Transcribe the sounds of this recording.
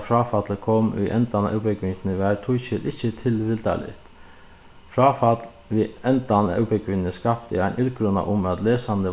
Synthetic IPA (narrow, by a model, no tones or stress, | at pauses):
fɾɑːfɑt̪ləkʰɔmḭʔɛnt̪ɑnɑ̰wpəkʰʋɪnt̪nəʋæɾt̪ʰʊʏçəlʔɪçət̪ʰɪlʋɪld̪ɑ̰lɪ̰t̪ | fɾɑːfɑt̪ | ʋɪɛnt̪ɑnɑ̰pəkʰʋɪnnəskɑpt̪ɪ̰æɪnʔɪlɡɾʉnɑ̰ʔʊmɑt̪leːsɑnd̪ə